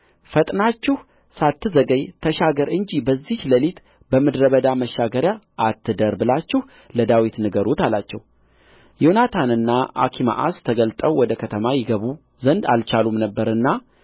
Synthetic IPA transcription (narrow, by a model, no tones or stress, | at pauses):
fət̪ʼnat͡ʃːɪh | sat̪ːɨzəɡəjt̪ʰəʃaɡəɾɨɲd͡ʒibəzːihləlit̪ | bəmɨd̪ɾəβəd̪aməʃːaɡəɾjaʔːt̪ʰːɨd̪əɾbɨlat͡ʃːɪh | ləd̪awit̪nɨɡəɾut̪ala̰t͡ʃːɛ̰w | junat̪ʰanɨnːaʔa̰kʰima̰ʔast̪ʰəɡəlt̪ʼəwwɔd̪əkʰət̪ʰəmajɪɡəβu | zənd̪a̰lt͡ʃʰalumnəbːəɾɨnːa